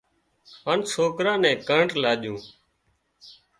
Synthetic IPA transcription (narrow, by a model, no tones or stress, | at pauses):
ɦaːnsoːkɾãːnɛ̃ːkəɳʈlaːɗjũː